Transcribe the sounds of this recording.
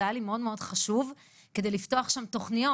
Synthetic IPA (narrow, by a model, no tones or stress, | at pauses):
alimeo̞d̪meo̞dχaʃuv | ke̞d̪ejlift̪o̞aχʃamt̪o̞χnijo